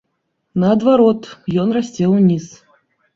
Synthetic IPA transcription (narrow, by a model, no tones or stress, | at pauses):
nɐɐd̪vaɾɔt̪jɔnrasʲt͡sʲɛwnʲis